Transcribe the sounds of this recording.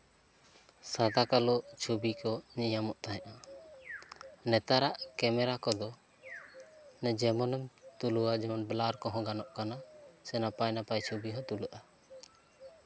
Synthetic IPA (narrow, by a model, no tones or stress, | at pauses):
sad̪akalɔt͡ʃʰubikɔɲijamɔʔt̪aɦɛ̃ʔa | nɛt̪aɾaʔkɛmɛɾakɔd̪ɔ | nɛd͡ʒɛmɔnɛmt̪uluwad͡ʒɛmɔnblaɾkɔɦɔ̃ɡanɔʔkanasɛnapajnapajt͡ʃʰubiɦɔt̪uluʔa